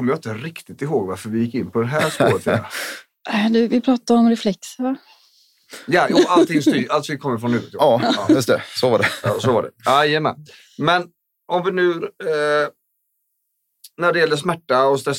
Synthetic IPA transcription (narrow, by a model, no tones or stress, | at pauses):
ɔməjaɪnt̪əɾɪkt̪ɪt̪ɪɦoːɡvaɾfœɾvɪjɪkːɪnːpʰɔd̪ɛɦæːʂpo̰ːɾət̪fḭa̰ | d̪ʉvɪpʰɾɑːt̪aɾɔmɾɛflɛk̚t̪sa | jajuːalt̪ɪŋst̪yːʔalt̪ʰɪŋkʰɔmːəɾfɾɔnhʉ̟ːvət̪jɑːjɵst̪ɛ̰sɔvaɖɛɑ̰ːsɔvaɖɛ̰ajəmɛ̰n | mɛn | ʔɔmvɪnʉ̟ː | næɖɛjɛlːəʂ̬mæʈːaɔst̪ɾɛs